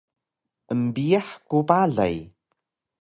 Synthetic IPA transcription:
ʔəmbiaħkupaɮa̰j

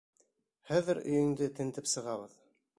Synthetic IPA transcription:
χæðɘɾɵ̆jɘ̆ŋd̪ɘt̪ɘ̆nt̪ɘpsɤ̆ʁɑβɤð

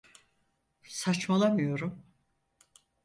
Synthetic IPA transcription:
sat͡ʃmalˠamɯjo̞ɾum

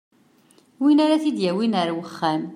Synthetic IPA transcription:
winaɾaθid̪jæwinəɾwəχːæm

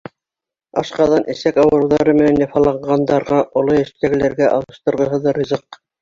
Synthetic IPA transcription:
ɑ̰ʃqɑðɑnʔɘ̆sækɑwɤ̆ɾɤwðɑɾɤmɘ̆nænjɑfɑlˠɑɴɢɑnd̪ɑɾʁɑʔŏlˠoɘ̆ʃt̪æɡɘ̆læɾɡæʔɑ̰lˠɤ̆ʃt̪ɤ̆ɾʁɤ̆ɦɤ̆ðɤɾʲizɤq̚

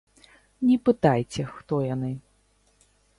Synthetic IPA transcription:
nʲɛpɨt̪ajt͡sʲɛxt̪ɔjanɨ

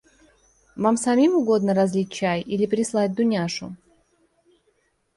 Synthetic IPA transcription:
vamsɐmʲimʊɡo̞d̪nəɾɐzʲlʲit̚ʲt͡ɕajilʲɪpɾʲɪslˠat̚ʲd̪ʊnʲaʂʊ̰

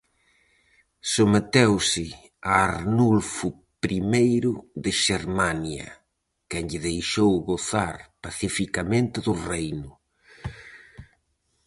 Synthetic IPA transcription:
somet̪ewsɪ | aːɾnulfʊ | pɾimejɾʊðɪʃeɾmanjɐ̰ | kɛŋʎɪðejʃowɣoθaɾpaθifikamẽnt̪ɪðʊrejnʊ

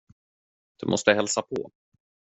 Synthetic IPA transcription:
d̪̥ɛmʔɔst̪əɦɛlsapʰɔ̰

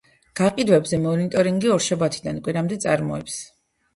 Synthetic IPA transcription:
ɡ̥aqʼid̪wɛbzɛmɔnit̪ʼɔɾiŋɡiɔɾʃabat̪ʰid̪ankʼwiɾamd̪ɛt̪sʼaɾmɔɛps

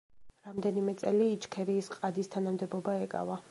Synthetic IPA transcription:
ɾamd̪ɛnimɛt̪sʼɛliːt͡ʃkʰɛɾiːsqʼad̪ist̪ʰanamd̪ɛbɔbaɛkʼa̰va

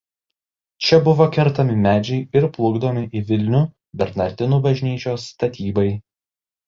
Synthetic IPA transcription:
t͡ʃʲɛbʊʋoːkʲɛɾt̪ɐmʲɪmʲæːd͡ʒʲɛɪɪɾplˠʊɡd̪ɐmʲɪʔiʋʲɪlʲnʲʊ | bʲɛɾnɐɾʲd̪ʲɪnuːbɐʒʲnʲiːt͡ʃʲoːsːt̪ɐt̪ʲiːbɐɪ

